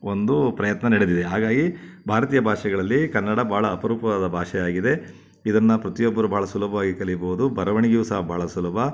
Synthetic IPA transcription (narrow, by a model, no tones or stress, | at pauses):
o̞nd̪upɾɐjɐt̪nɐnɐɽed̪id̪eɦaːɡaːɡibʱaːɾɐt̪iːjɐbʱaːʂɛɡɐɭɐlːikɐnːɐɽɐbʱaːɭɐːpɐɾuːpɐʋaːd̪ɐbʱaːʂɛjaːɡid̪e̞ | id̪ɐnːɐpɾɐt̪ijobːɐɾubʱaːɭɐsulɐbʱɐʋaːɡikɐɭibɐʋud̪ubʱɐɾɐʋɐɳiɡjiʋːsaːɐbʱaːɭɐsulɐbʱɐ